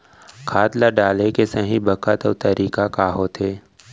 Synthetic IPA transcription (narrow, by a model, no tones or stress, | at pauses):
kʰaːt̪laɖaːlekesɐɦĩbɐkət̪ɔːt̪ɐɾiːkakaːɦot̪ʰeː